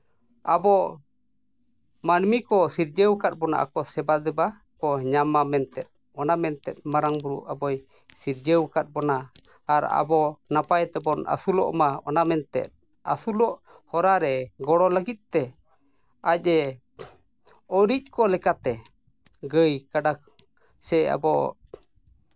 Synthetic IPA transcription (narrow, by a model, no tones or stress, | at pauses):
abɔ | manmikɔsiɾd͡ʒəwkat̪̚bɔna̰ʔa̰kɔsɛbad̪ɛba | kɔɲamamɛnt̪ɛt̪̚ | ɔnamɛnt̪ɛt̪̚ˀmaɾaŋbuɾṵʔabɔj | siɾd͡ʒəwkat̪̚bɔnaː | ɾa̰bɔnapajt̪ɛbɔna̰sulɔ̰ʔmaɔ̰namɛnt̪ɛ̰t̪̚ | asulɔʔ | hɔɾaɾɛɡɔɽɔləɡit̪̚t̪ɛ | ac̚ɛ | ɔɾic̚ˀkʰɔlɛkat̪ɛ | ɡəjkaɖa | sɛa̰bɔ